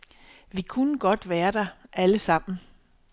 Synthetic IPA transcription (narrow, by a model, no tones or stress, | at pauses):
ʋikʰunəɡ̥ɒ̽d̥ʋæːɐd̥ɑ̈ʔæləsɑ̈m̰n̩